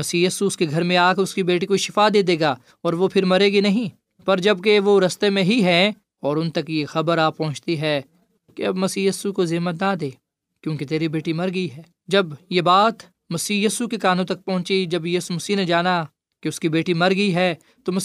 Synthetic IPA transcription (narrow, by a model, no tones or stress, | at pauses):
mɐsiːjiːsuʊskeɡʱɐɾmẽaːkʊskibeːʈikoiʃɪfad̪eːd̪eːɡaː | ɔːɾʋopʰɪɾmɐɾeːɡinɐɦĩː | pɐɾd͡ʒɐb̚keʋoɾɐst̪emẽɦiɦɛ̃ | ɔːɾʊ̃nt̪ɐkexɐbəɾaːpɐ̃ɦʊ̃t͡ʃt̪iɦɛː | keɐbmɐsiːjiːsukozɪːmət̪nad̪eː | kjõːket̪eːɾibeːʈimɐɾɡəiɦɛː | d͡ʒɐbjebaːt̪ | mɐsiːjiːsukekaːnõt̪̬ɐk̚pɔɦʊ̃t͡ʃid͡ʒɐbjiːsumɐsiːned͡ʒaːna | keʊskibeːʈimɐɾɡəiɦɛː | t̪omɐ